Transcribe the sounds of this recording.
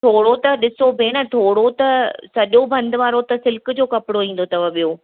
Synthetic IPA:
t̪ʰoːɽot̪ɐɗɪsobʱenɐt̪ʰoːɽot̪ɐsɐʄobɐ̃nd̪ʋaːɾot̪ɐsɪlkd͡ʑoːkɐpɪɽoĩːn̆d̪ot̪ɐʋəɓijoː

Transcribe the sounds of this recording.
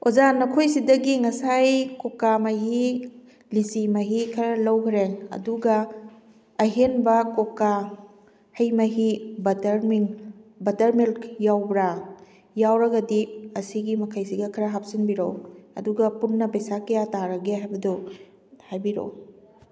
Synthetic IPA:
ozanɐkʰojsidɐɡiŋɐsajkokːamɐɦi | lisimɐɦikʰɐɾɐlɐwkʰɾeɐ̰duɡɐː | ɦenbɐkoka | hɐjmɐɦibɐtɾminbɐtɐɾmilkjawbɾa | jawɾɐɡɐdiɐsiɡimɐkʰajsiɡɐkʰɐɾɐɦap̚sinbiɾowɐ̰duɡɐpunːɐpɐjsakɐjataɾɐɡeɦajbɐdu | hajbiɾo̰w

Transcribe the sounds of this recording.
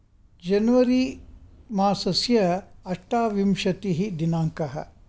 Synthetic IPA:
d͡ʒɐnuʋɐɾi | maːsɐsjɐɐʂʈaːʋimʃɐt̪iɦid̪inaːŋkɐɦɐ̰

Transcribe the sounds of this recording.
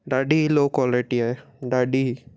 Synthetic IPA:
ɖaɖilokɔleʈia | ɖaɖi

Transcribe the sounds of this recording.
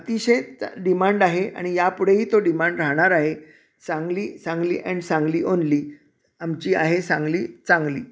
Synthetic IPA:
ət̪iɕeɖimãɳɖaɦea̰ɽ̃ijapuɽ̤eɦiːt̪oɖimãɳɖɾaɦɽ̃aɾaɦe | sãŋɡliːsãŋɡlḭːʔɛ̃ɳɖsãŋɡliːʔonliː | amt͡ɕiːa̰ɦesãŋɡliːt͡sãŋɡliː

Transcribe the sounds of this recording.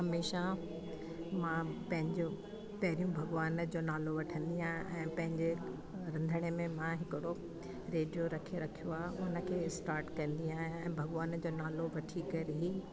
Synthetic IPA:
ɦɐmeːʃa | mãpɐ̃ɦɪ̃ɲd͡ʑo | pɐɦɾijũbʱɐɡʋaːnd͡ʑoːnaːloʋɐʈʰə̃nd̪iaːɦijũʔɛ̃ːpɐ̃ɦɪ̃ɲd͡ʑe | ɾɐ̃nd̪ʱəɽ̃emẽmãɦɪkɪɽo | ɾeːɖijoɾɐkʰeɾɐkʰijoaːɦeʊnə̆kʰeːsʈaːɾʈkɐ̃nd̪iaːɦijũɛ̃ːbʱɐɡʋaːnd͡ʑoːnaːloʋɐʈʰikɐɾɦiː

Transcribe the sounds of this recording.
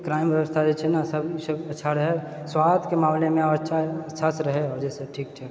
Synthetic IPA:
kɾaːɪmʋjɐʋəst̪ʰad͡ʒet͡ʃʰɛnasɐbsɐbɐtːʃʰaɾɐɦe | swaːt̪ʰkemaːmlemẽɔɾtːʃʰaɐtːʃʰasɾɐɦeɔːɾd͡ʒɛːseʈʰiːk̚t͡ʃʰɛː

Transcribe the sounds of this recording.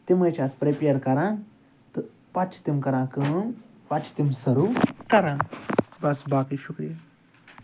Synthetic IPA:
t̪imɐjt͡ʃʰaːt̪pɾepeɾkɐɾãːn | t̪ɨ | pɐt͡ʃʰt̪imkɐɾãːkɨm | pɐt͡ʃʰt̪imsɐɾukɐɾãːbɐsbaːkiʃukɾijɐ

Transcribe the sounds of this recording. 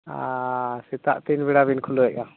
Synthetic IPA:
asɛt̪a̰ʔt̪inbiɽabinkʰuluɛʔa

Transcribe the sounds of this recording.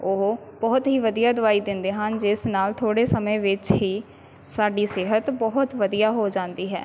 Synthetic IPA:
oɦbɔːt̪ɦiːʋəd̪ijaːd̪ʊaːiːd̪ɪ̃nd̪eːɦənd͡ʒɪsnaːlt̪ʰoːɽeːsəmẽːʋɪt͡ʃɦiː | saːɖiːsɪːɦət̪bɔɦʊt̪ʋəd̪ijaːɦoːd͡ʒãːnd̪iːɦɛ̰ː

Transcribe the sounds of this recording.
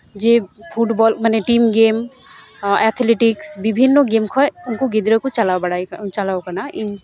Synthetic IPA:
d͡ʒepʰuʈbɔlmaneʈimɡem | ɛt̪ʰleʈiksbibʱinːoɡemkʰɔʊnkoɡid̪ɾokot͡ʃalabəɽaikt͡ʃalaokanaʔin

